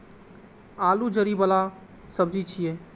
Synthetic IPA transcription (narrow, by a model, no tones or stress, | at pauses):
alud͡ʒəɾibəla | səbd͡ʒit͡ʃʰije